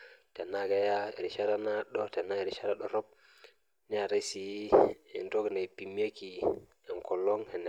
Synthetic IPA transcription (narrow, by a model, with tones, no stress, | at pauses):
tɛ˨naɡa˨ja˦˨ɾi˨ʃa˦ɾa˦na˦ɗɔ˦tɛ˨na˦˨ɾiʃa˦ɾaɗɔ˨ɾɔ˦p̚ | na˨ɾa˦si˨˦ɛ˨nto˦ɡna˨jpi˨mi˦a˦ki˨ | ɛ˨nkɔ˨lːɔ˦ŋhɛ˨n˨